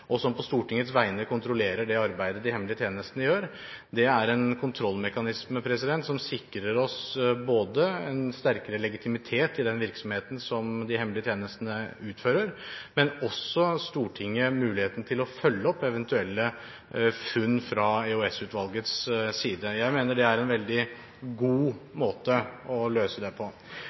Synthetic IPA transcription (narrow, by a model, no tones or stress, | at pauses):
ʔɔsɔmpʰɔst̪uːʈɪŋːət̪sʋæɪnəkʰʊnt̪ɾʊleːɾəɖɛɑɾbæɪd̪əd̪ɪhɛmlɪət̪jeːnəst̪ənəjøːɾ | d̪ɛæɾɛnkʰʊnt̪ʰɾɔlːmɛkɑnɪsmpʰɾɛsɪd̪ɛnt̪sɔmsɪkːɾəɾɔsboːd̪əɛnst̪æɾkəɾəlɛɡɪt̪ʰɪmɪt̪ʰeːt̪ɪd̪ɛnʋɪɾksɔmheːt̪n̩sɔmd̪ɪɦɛmlɪət̪jeːnəst̪ənəʉːt̪føːɾəɾmɛnɔsɔst̪uːʈʰɪŋːəmʉːlɪheːt̪n̩t̪ʰɪlɔfœlːəɔpːɛʋɛnt̪ʉɛlːə | fʉnːfɾɑɛɔɛsʉːt̪ʋɑlɡət̪ssiːd̪əjæɪmeːnəɖɛæɾɛnʋɛld̪ɪ | ɡuːmoːt̪əɔløːsəd̪ɛpʰɔ